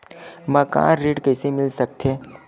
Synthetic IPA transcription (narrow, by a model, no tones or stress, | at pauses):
mɐkã̰ːɾeːɖkɛːsemɪlsɐk̚t̪ʰeː